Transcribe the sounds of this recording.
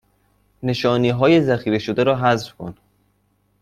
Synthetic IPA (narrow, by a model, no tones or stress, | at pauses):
ne̞ʃɒːniːɦɒːjezæxiːɾe̞ʃod̪eɾɒːɦæzfkʰo̰n